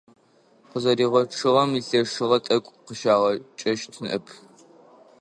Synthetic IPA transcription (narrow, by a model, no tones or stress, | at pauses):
qəzɐɾiːʁʷɔʈ͡ʂʰɨʁɐmiseːʂɨʁɐtʼɐkʷʼqəʃaːʁɐt͡ʃʼɐʃtʰɨnʔɨ̰pʰ